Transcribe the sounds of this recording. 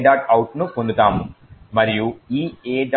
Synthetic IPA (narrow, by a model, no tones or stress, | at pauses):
ɖaːʈɐwʈnukond̪ut̪aːmu | mɐɾijuiːeːɖ